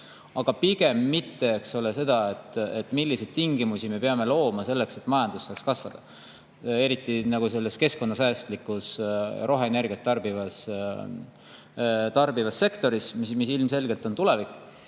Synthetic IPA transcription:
ɑɡ̥ɑpiɡ̥e̞mːit̪ːe̞ekso̞le̞se̞d̪̥ɑe̞t̪ːe̞t̪ːˑmilːise̞jd̪̚t̪iŋɡimusime̞peɑme̞lo̞ːmɑse̞lːe̞kse̞t̪ːmɑjɑnd̪̥usːɑːkskɑsvɑd̪̥ɑ | e̞ɾit̪ˑːinɑɡ̥use̞lːe̞ske̞sko̞nːɑsæːst̪likːˑusɾo̞ɦɑene̞rɡ̥iɑt̪ːɑrbivɑs | t̪ɑrb̥ivɑsːe̞kt̪o̞ɾismimis̬ilmse̞lɡe̞lt̪o̞nt̪ule̞vikˑ

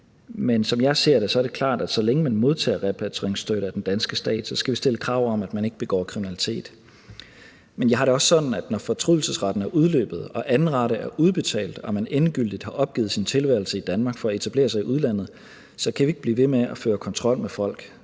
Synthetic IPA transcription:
mensɒ̽mjɑ̈ɪse̝ɐ̰ɾ̥e̝sɒ̽æɐd̥e̝kʰlɑ̰̈ːd̥æd̥sɒ̽leŋəmænmo̝ðˠt͡sʰɛ̰ːʁɛpʰæt͡sʰeŋsd̥øɾəæd̥end̥ænsɡ̥əsd̥ɛ̰ːd̥sɒ̽sɡ̥æʋisd̥e̝ləkʰʁɑ̰̈ʊ̰ɒ̽mæd̥mæne̝ɡ̥b̥e̝ɡ̥ɒ̰ːkʰʁiminælit͡sʰe̝̰ːd̥ | menjɑ̈ɦɑ̈dɾe̝ɒ̽sːɒ̽d̥n̩æd̥nɒfɒ̽t͡sʰʁuðˠl̩səsʁɑ̈d̥n̩æɐʔuð̞ˠlø̰ːb̥ð̞̩ˠɒ̽ʔænʁɑ̈ɾəʔæɐʔuðˠb̥e̝t͡sʰɛ̰ːld̥ɒ̽mænenɡ̥yl̰d̥id̥hɑ̈ʔɒ̽b̥̚ɡ̥ḭːð̩ˠsint͡sʰe̝lʋæɐl̩səid̥ænmɑ̈ːɡ̥fɒ̽æe̝t͡sʰæb̥le̝̰ːɐsɑ̈ɪiʔuð̞ˠlæn̰ð̩ˠ | sɒ̽kʰæʋie̝ɡ̥̚b̥lḭːʋe̝meæføːɐkʰɒ̽nt͡sʰʁɒ̽l̰mefɒ̽l̰ɡ̥

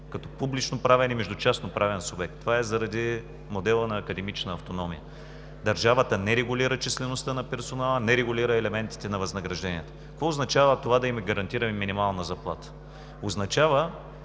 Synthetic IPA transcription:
kɐt̪ɔpublit͡ʃnopɾavɛnimɛʒd̪ʊt͡ʃasnopɾʔavɛnsobɛk̚t̪ːovaɛzɐɾɐd̪i | mod̪ɛlˠənɐːkɐd̪ɛmit͡ʃnəːft̪onɔmḭjə | d̪ɐɾʒavət̪ənɛɾɛɡʊliɾət͡ʃislɛnost̪ənɐpɛɾsonalˠənɛɾɛɡʊliɾəɛlɛmɛnt̪i̥t̪ɛnɐvɐznɐɡɾɐʒd̪ɛnʲiɛt̪ə̥kkvɔʊznɐt͡ʃavət̪ovad̪ɐimɛɡɐɾɐnt̪iɾɐmɛminimalˠnɐzɐplˠa̰t̪ə̥ | oznɐt͡ʃavə

